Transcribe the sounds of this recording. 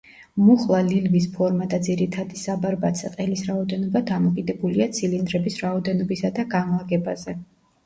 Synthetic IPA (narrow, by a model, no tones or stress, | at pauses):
muχlˠalilvispʰɔɾmad̪ad̪ziɾit̪ʰad̪isabaɾbat̪sʰɛqʼɛlisɾaɔd̪ɛnɔbad̪amɔkʼid̪ɛbuliat̪sʰilind̪ɾɛbisɾaɔd̪ɛnɔbisad̪aɡanlˠaɡɛbazɛ